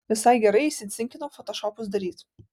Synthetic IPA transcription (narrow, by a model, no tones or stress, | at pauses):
ʋʲɪsɐɪɡʲɛɾɐɪɪʃʲsʲɪt̪sʲɪŋʲkʲɪnoːfɔt̪ɔʃɔːpʊs̬d̪ɐɾʲiːt̪